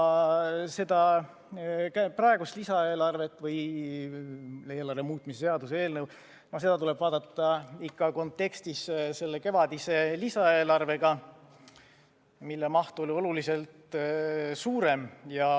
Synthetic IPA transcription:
se̞d̪̥ɑ | kæprɑeɡust̪lisɑe̞ːlɑrve̞t̪ːˑvɯj | eːlɑrve̞muːt̪ˑmiseseɑd̪usee̞ːlnɤw | mɑse̞d̪̥ɑt̪ule̞b̥vɑːd̪̥ɑt̪ˑːɑikːɑko̞nt̪ːe̞kst̪isse̞lːeke̞vɑd̪̥ise̞lisɑe̞ːlɑrve̞ɡ̥ɑ | milːemɑht̪uo̞lio̞lulise̞lt̪ | suːɾe̞mjɑ

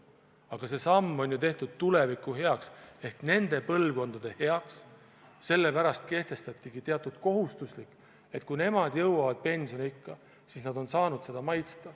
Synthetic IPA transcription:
ɑɡ̥ɑse̞sɑmːo̞nʲjut̪e̞ht̪ud̪̥̚t̪ule̞vikːˑuɦe̞ɑkse̞hkne̞nd̪̥e̞pɤ̞lvko̞nd̪̥ɑd̪̥e̞he̞ɑks | se̞lːe̞pæɾɑst̪̚ke̞ht̪e̞st̪ɑt̪ʲːˑiɡit̪e̞ɑt̪ːˑud̪̥ko̞ɦust̪uslikːˑ | e̞t̪̚kujne̞mɑd̪̥jɤwɑvɑd̪̥̚pe̞nʲsio̞nikːɑ | sisnɑd̪o̞nsɑːnud̪̥se̞d̪̥ɑmɑjt̪st̪ɑ

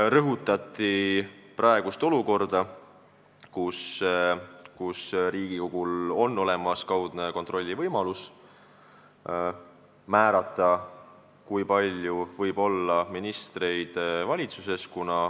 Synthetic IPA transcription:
rɤɦut̪ːˑɑt̪ːˑiprɑe̞ɡ̥ust̪o̞luko̞rd̪̥ɑ | kus | kusɾiːɡ̥iko̞ɡ̥ulo̞nːo̞le̞mɑskɑwd̪̥ne̞ko̞nt̪ro̞lʲːivɤjmɑlus | mæːɾɑt̪ːˑɑ | kujpɑlʲjuvɤjbo̞lːɑminist̪re̞jd̪̥vɑlʲit̪suse̞skunɑ

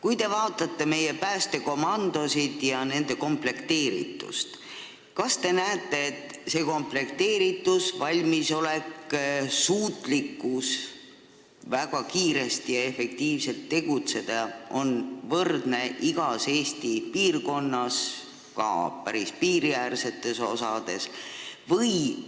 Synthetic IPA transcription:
kujt̪e̞vɑːt̪ːˑɑt̪ːe̞me̞je̞pæːst̪e̞ko̞mɑnd̪o̞sid̪̥jɑne̞nd̪̥e̞ko̞mple̞kt̪e̞ːɾḭt̪ːˑṵst̪ | kɑst̪e̞næːt̪ːˑe̞ːt̪ːse̞ːko̞mple̞kt̪e̞ːɾit̪ːˑusvɑlʲmiso̞le̞ksuːt̪likːˑus | væɡ̥ɑkiːɾe̞st̪ijɑe̞fe̞k̚t̪iːvse̞lt̪ːe̞ɡ̥ut̪se̞d̪̥ɑʔo̞nvɤrd̪ne̞ʔiɡ̥ɑse̞ːst̪ipiːrko̞nːɑs | kɑ̰pæɾispiːɾiærse̞t̪ːˑe̞so̞̰sɑd̪̥e̞svɤj

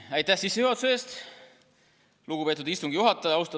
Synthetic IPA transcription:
ɑjt̪ːæhsisːehyot̪seːst̪ | luɡ̥upe̞ːt̪ud̪ist̪uŋɡ̥ijuɦɑt̪ːˑɑjɑɑwst̪ɑ

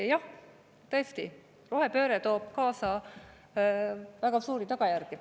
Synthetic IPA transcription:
jɑh | t̪ɤst̪i | roɦe̞pø̞ːɾet̪o̞ːb̥̚kɑːsɑ | væɡ̥ɑsuːɾit̪ɑɡ̥ɑjærɡ̥i

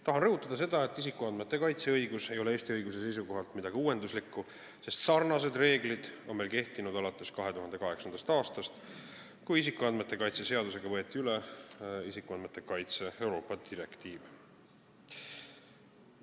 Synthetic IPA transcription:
t̪ɑɦɑnrɤɦut̪ːˑɑd̪̥ɑs̬e̞d̪̥ɑe̞t̪ːˑis̬ikːˑuɑnd̪met̪ˑːe̞kɑjt̪se̞ɤjɡuse̞jo̞leest̪iɤjɡus̬e̞se̞js̬uko̞ɦɑlt̪mid̪̥ɑɡ̥euːe̞nd̪̥uslikːu | se̞st̪sɑrnɑs̬e̞d̪re̞ːɡlid̪̥o̞nme̞ːlke̞ht̪inud̪̥ɑlɑt̪ːˑe̞skɑɦe̞t̪uɦɑnd̪e̞kɑɦe̞ksɑnd̪ɑst̪ɑːst̪ɑst̪ | kujisikːuɑnd̪met̪ːˑe̞kɑjt̪se̞se̞ɑd̪use̞ɡ̥ɑvɤe̞t̪ːˑiyleisikːˑuɑnd̪met̪ːˑe̞kɑjt̪se̞e̞wɾo̞ːpːˑɑd̪iɾe̞kt̪iːv

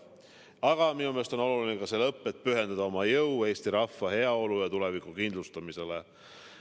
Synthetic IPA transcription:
ɑɡ̥ɑminume̞st̪o̞no̞lulinekɑse̞lɤpːˑe̞t̪̚ːˑpyɦe̞nd̪ɑd̪ɑo̞mɑjɤwe̞ːst̪iɾɑfːɑɦe̞ɑo̞lujɑt̪ule̞vikːˑukind̪lust̪ɑmise̞le

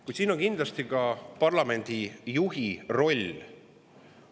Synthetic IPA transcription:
kujt̪siːno̞ŋkind̪lɑst̪ikɑpɑrlɑme̞nʲd̪̥ijuɦiro̞lʲ

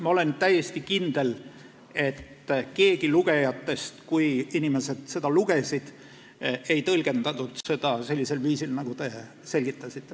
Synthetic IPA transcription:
mɑo̞le̞nt̪æjːe̞st̪ikind̪̥e̞l | e̞t̪ː | ke̞ːɡ̥iluɡ̥e̞jɑt̪ːe̞st̪kujinime̞se̞d̪̥se̞d̪̥ɑluɡ̥e̞sʲid̪̥ | e̞jt̪ɤlɡ̥e̞nd̪̥ɑt̪ud̪̥se̞d̪̥ɑse̞lʲːise̞lviːsilnɑɡ̥ut̪e̞ | se̞lʲɡ̥it̪ːˑɑsit̪ˑːe

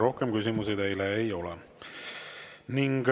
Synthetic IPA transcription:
ɾo̞hkemkys̬imus̬ed̪ejleejo̞lɛ̰ | niŋɡ̥

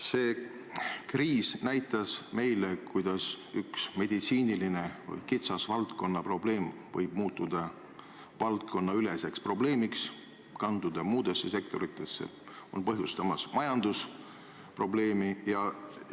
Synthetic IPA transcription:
se̞ː | kriːsnæjt̪ːˑɑsme̞jlekujd̪̥ɑs | yksme̞d̪̥it̪siːniline̞vɤ̰jkit̪sɑsvɑlt̪ko̞nːɑpro̞ble̞ːmvɤ̰jb̥̚muːt̪ːˑud̪̥ɑ | vɑlt̪̚ko̞nːɑyle̞se̞kspro̞ble̞ːmiks | kɑnd̪̥ud̪̥ɑmuːd̪̥e̞sːe̞se̞k̚t̪o̞ɾit̪ːˑe̞sːḛ | o̞̰npɤɦjust̪ɑmɑsmɑjɑnd̪us | pro̞ble̞ːmijɑ

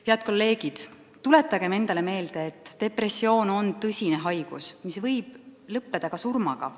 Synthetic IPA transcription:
heɑd̪̚ko̞lːe̞ːɡ̥id̪̥ | t̪ule̞t̪ːˑɑɡ̥e̞me̞nd̪ɑle̞me̞ːld̪̥e̞ːt̪ˑːe̞pre̞sːio̞ːno̞nt̪ɤsʲine̞ɦɑjɡ̥usmisvɤjb̥̚lɤpːe̞d̪̥ɑkɑsurmɑɡ̥ɑ̰

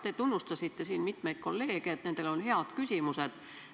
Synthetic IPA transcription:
t̪e̞t̪unːust̪ɑsit̪ːe̞siːnmit̪me̞jd̪̥̚ko̞lːe̞ːɡ̥iet̪ne̞nd̪̥elo̞nheɑd̪̥kysʲimuse̞d̪̥

